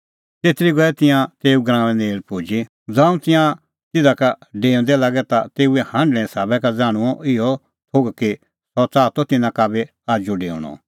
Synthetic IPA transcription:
t̪eːt̪ɾiɡɔɛt̪ɪ̃jãt̪eːuɡɾãːʋ̃ɛ̃neːlpuːd͡ʒi | d͡zãːũt̪ɪ̃jã | t̪ɪd̪akaɖeːʊ̃nd̪ɛlaːɡɛt̪at̪eːuɛhãɳɖɭɛ̃saːbɛkad͡zaːɽ̃ũɔʔɪɔ | t̪ʰoɡki | sɔt͡saːt̪ɔt̪ɪnãkabɛ | aːd͡ʒuɖeːũɽ̃ɔ̰

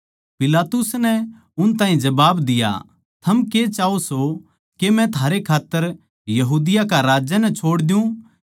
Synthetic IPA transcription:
pɪlaːt̪ʊsnɛ | ʊnt̪ãːɦĩd͡ʒɐbaːbd̪ɪja̰ | t̪ʰɐmket͡ʃaːoso | kemɛ̃t̪ʰaːɾekʰaːt̪ːəɾ | jɐɦuːd̪ɪjakaɾaːd͡ʒanɛt͡ʃʰoːɽd̪ɪjũ

